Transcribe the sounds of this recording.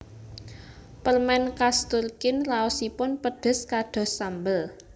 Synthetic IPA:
pərmɛnkast̪urkɪnraɔsipʊnpəɖ̪̥ə̤skaɖ̪̥ɔ̤sambəl

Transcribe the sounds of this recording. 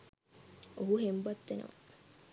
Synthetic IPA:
oɦuɦembat̪ːenə̰ʋa

